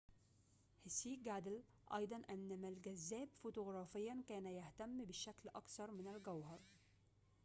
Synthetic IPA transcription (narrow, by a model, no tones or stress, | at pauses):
hɪsiːɡad̪ɪl | ʔɑ̰jd̪ˤɑnʔanːamalɡazːæːbfʊt̪ʊɣɾˤɑːfɪjːankæːnajaht̪amːbɪʃaklʔɑkθɑɾˤmɪnalɡawhɑɾˤ